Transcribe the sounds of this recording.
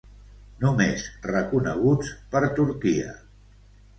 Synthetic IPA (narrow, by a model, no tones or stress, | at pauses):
numezrəkunə̰ɣ̞ut͡spəɾt̪uɾkiə̰